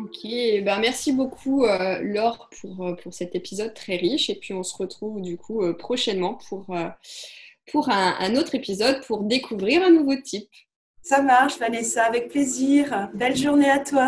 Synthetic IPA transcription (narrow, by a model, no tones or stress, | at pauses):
ɔkʲʰebɛ̃mɛʁsibokʰuølɔʁpʰuʁøpʰuʁsɛt̪epizɔd̪̚t̪χɛʁiʃepɥiɔ̃səʁət̪χuvd̪ykʰuøpχɔʃɛnmɑ̃pʰuʁø | pʰuʁɛ̃ɛ̰̃not̪χepizɔd̪̚pʰuʁd̪ekʰuvʁiʁɛ̃nuvot̪ʰip | samaʁʃvanesaːvɛk̚pleziːʁbɛlʒuʁneat̪wa